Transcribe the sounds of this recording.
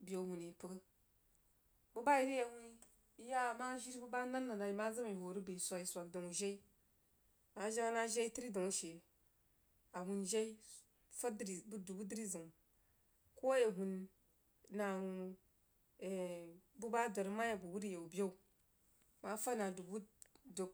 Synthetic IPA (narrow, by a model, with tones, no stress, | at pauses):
be˦hu˨ni˨pə˦ɡə˦ | bu˦ba˦ji˦ɾi˦je˨hu˦ni˦ | ja˦˨ma˦ʒi˦ɾi˦bu˦ba˦na˦nːa˨na˨i˨ma˦za˦ma˨ho˨ɾi˦bi˨i˨sʷa˨ji˨sʷa˨k̚do˨ŋu˨ʒe˦i˦ | ma˨˦ʒa˦a˦na˦ʒe˦i˦ti˦ɾi˦do˨ŋu˦ʃe˨ | a˨hu˨nʒe˦i˦ | fa˦di˨bu˦du˨bu˦di˦ɾi˦zə˨ŋ˨ | ko˦je˨ɦu˨n | na˨u˨ | e˨bu˦ba˦do˨ɾma˦ja˨bu˨wu˦ɾi˦je˨u˨bo˦u˨ | ma˦fa˦na˨du˨bu˦do˨k̚